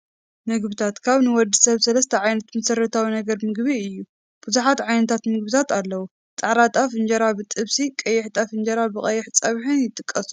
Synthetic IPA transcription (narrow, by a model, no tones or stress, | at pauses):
mɨɡbɨt̪ʰat̪kʰaβnɨwɔd̪ːɨsɐβsɐlɐst̪ʰɐʕajnɐt̪mɐsɐrɐt̪ʰawinɐɡɐɾmɨɡβiɨjːu | b̥ɨzuħat̪ʕajnɐt̪ʰat̪mɨɡbɨt̪ʰat̪alːɐwu | t͡s̪ʼaʕɾat̪ʼafɨnd͡ʒɐɾabɨt̪ʼɨβsikʼɐjːɛħt̪ʼafɨnd͡ʒɐɾabɨkʼɐjːɛħt͡sʼɐβħɨnjɪt̪ʼɨkʼːɐsu